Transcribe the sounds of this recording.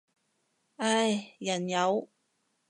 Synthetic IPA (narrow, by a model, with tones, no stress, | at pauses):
ʔɐ˥˩jjɐ˨˩njɐ˨˧˥w